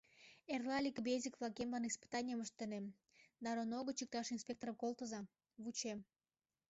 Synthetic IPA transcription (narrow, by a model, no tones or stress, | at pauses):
erlɑlʲikbezʲikβlɑkembɑnispɨ̥t̪ɑnʲijəməʃt̪ːənem | d̪ɑɾonoɣət͡ɕik̚t̪ɑʃinspʲek̚t̪oɾəmkolˠt̪əzɑ | βut͡ɕem